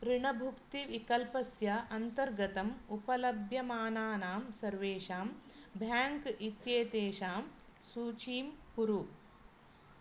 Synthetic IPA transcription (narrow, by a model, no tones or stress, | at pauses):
pɾiɳɐbʱukt̪iʋikɐlpɐsjɐʔɐnt̪ɐɾɡɐt̪ɐmupɐlɐbʱjɐmaːnaːnaːmsɐɾʋeːʃaːmbʱjaːŋkit̪jeːt̪eːʃaːm | suːt͡ʃiːmkuɾu